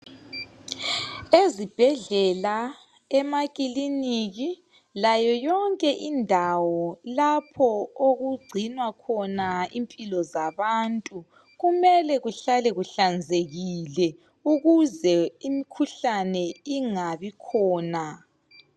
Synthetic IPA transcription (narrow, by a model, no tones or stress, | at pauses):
ezib̥ʱɛɮɛla | ɛmaɣiliniɣi | lajɔjɔŋkʼɛʔindʱawɔlapʰɔoɣuɡ͡ǀʱinwakʰɔnaimpʼilɔzaβantʼu | ɣumɛlɛɣuɬalɛɣuɬand͡zʱeɣilɛ | uɣuzɛimikʰuɬanɛiŋaβikʰɔːna